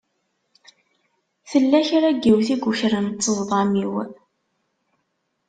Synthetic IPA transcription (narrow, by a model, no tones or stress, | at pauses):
θəlːæçɾæɡːiwθiɡuçɾənt̪ːəzˤðˤɑmiw